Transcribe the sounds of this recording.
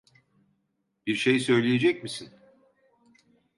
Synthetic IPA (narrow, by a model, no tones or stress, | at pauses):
b̥iɾʃejsø̞jlʲije̞d͡ʒɛc̚misin